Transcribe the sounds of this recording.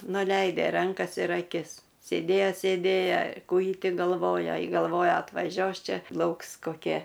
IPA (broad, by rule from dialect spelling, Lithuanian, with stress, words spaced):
nʊˈlʲɛɪdʲɛ ˈrɐŋkɐs ɪr ɐˈkʲɪs sʲeːˈdʲeːjɛ sʲeːdʲˈeːjɛ ˈkuː jɪ ˈtʲɪ ɡɐlˠˈʋoːjɛ ɡɐlˠˈʋoːjɛ ɐtʋɐˈʒʲuɔs ˈt͡ʃʲɛ ˈlˠɐʊks koːˈkʲiɛ